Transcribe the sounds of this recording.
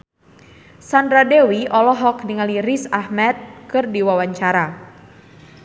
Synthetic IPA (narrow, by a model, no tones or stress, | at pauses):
sandɾadewiʔɔlɔɦɔkniŋalirisahmɛt̪̚kɨrdiwawaɲt͡ʃaɾa